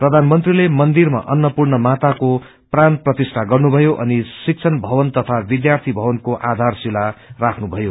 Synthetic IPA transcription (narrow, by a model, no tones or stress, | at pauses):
prʌd̪ʱanmʌnt̪rilemʌnd̪irma̰ʔʌnːʌpurnʌmat̪ako | pranprʌt̪isʈʰaɡʌrnubʱʌjoʔʌ̰nisik̚t͡sʰʌnbʱʌbʌnt̪ʌt̪ʰabid̪jart̪ʰibʱʌwʌnkoʔad̪ʱarsilarakʰnubʱʌjo